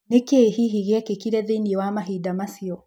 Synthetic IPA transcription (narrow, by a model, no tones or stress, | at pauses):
nekehiɦiɣɛkekiɾɛðiniewamaɦidamasiɔ